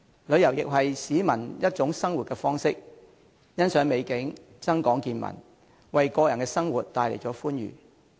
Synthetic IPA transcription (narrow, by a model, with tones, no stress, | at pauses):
lɵ˨˧ɥjɐ˨˩wjɪ˨k̚ɦɐ˨jsiː˨˥mɐ˨˩njɐ˥t̚t͡ʃʊ˨˥ŋsɐ˥ŋwu˨t̚kɛː˧fɔː˥ŋsɪ˥k̚ | jɐ˥nsœː˨˥ŋme˨˧jkɪ˨˥ŋ | t͡sɐ˥ŋkɔː˨˥ŋkiː˧nmɐ̰˨˩n | wɐ˨jkɔː˧jɐ˨˩nkɛː˧sɐ˥ŋwuː˨t̚t̪ːaː˨˧jle˨˩jt͡sɔː˨˥fuː˥njy̰ː˨˩